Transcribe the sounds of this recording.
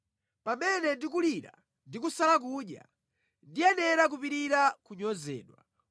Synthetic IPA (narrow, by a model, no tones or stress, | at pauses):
pamɛnɛndik̬uliɾa̰ | ndik̬usalak̬uɗja̰ | ndijɛnɛɾak̬upiɾiɾakuɲɔzɛ̰ːɗwa̰